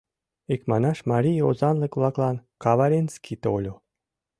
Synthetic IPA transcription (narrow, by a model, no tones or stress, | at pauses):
ikmɑnɑʃmɑɾʲijozɑnlɤ̆kvlˠɑklˠɑnkɑβɑɾʲenskit̪olʲo